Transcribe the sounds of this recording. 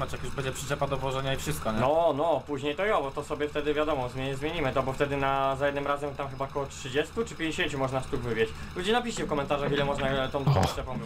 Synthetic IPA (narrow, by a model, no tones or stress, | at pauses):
at͡ʃjakjuʃpɔɛd͡ʑɛpʂɘ̥t͡ʂɛpad̪ɔvwɔʐɛɲaifʂɘst̪̚kɔɲɛnɔnɔpuʑɲejt̪ɔjɔbɔt̪ɔsɔbʲjɛft̪ɛd̪ɘvʲjad̪ɔmɔzmʲzmjeɲimɘt̪ɔbɔft̪ɛd̪ɘnazajɛd̪nɘmɾazɛmt̪amxɘbakɔwɔtʂɘd͡ʑɛst̪ut͡ʂɘpʲjẽɲd͡ʑeɕeɲt͡ɕumɔʐnaʂt̪uɡvɘbʲjet͡ɕ | lud͡ʑinapʲiɕt͡ɕɛfkɔmɛnt̪aʐaxilɛmɔʐnat̪ɔ̃w̃t̪ɔt͡ʂɛpɔ̃m